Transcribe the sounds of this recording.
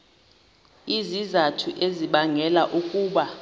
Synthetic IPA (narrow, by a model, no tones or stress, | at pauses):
izizatʰuʔeziɓaŋɛlaʔukʼuːɓa